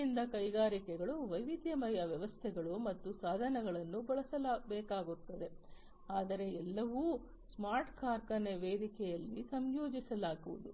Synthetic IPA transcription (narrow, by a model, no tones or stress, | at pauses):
ind̪ɐkɐjɡaːɾikɛɡɐɭuʋɐjʋid̪jɐmɐjɐʋjɐʋɐst̪ʰɛɡɐɭumɐt̪ːusaːd̪ʱɐnɐɡɐɭɐnːubɐɭɐsɐlaːbɛːkaːɡut̪ːɐd̪e̞ | aːd̪ɐɾe̞ɛlːɐʋu | smaːɾʈkaːɾkɐneʋeːd̪ikɛjɐlːisɐmjoːd͡ʒisɐlaːɡuʋud̪u